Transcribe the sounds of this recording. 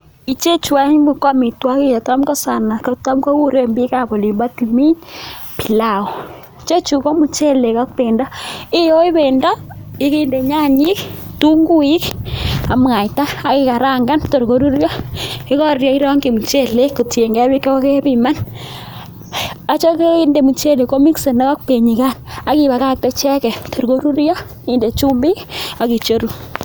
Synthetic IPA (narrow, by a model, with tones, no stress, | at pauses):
i˨t͡ʃe˦t͡ʃwa˦ɲ˦mbu˨kɔ˦mi˨twa˦ki˦ja˨ta˦mkɔ˦sa˨na˨ko˨ta˦mko˦wu˦ɾe˦mbi˦ka˨po˨li˨mba˦ti˨mi˦ɲpi˨la˨ɔ˨ | t͡ʃe˦t͡ʃu˨kɔ˦mu˨t͡ʃe˦le˨ka˦k̚pe˨ndɔ˦ɪ˦jo˦i˦βe˨ndɔ˦i˦ki˦nde˨ɲa˦ɲi˦ktu˦ŋɡu˦i˦ka˨mŋa˨jta˦a˨ki˨ka˨ɾa˦˨ŋɡa˦nto˨ɾko˦ɾu˦ɾjɔ˦ki˦kɔ˦ɾjɔ˦i˦ɾɔ˦ŋɡi˨mu˨t͡ʃe˦le˦ku˨tje˨ŋɡɛ˦bi˦kɔ˦ke˦pi˦˨ma˦n | a˦t͡ʃo˦ke˦i˦nde˨mu˨t͡ʃe˦˨le˨ko˦mi˦kse˨ne˦ka˦k̚pe˨ɲi˨ka˦na˦ki˨ba˨ka˦˨k̚tɛ˦t͡ʃɛ˦kɛ˨tʰo˨ɾko˦ɾu˦ɾjɔ˦ | i˦nde˨t͡ʃu˦mbi˦ka˨ki˨t͡ʃo˦ɾu˨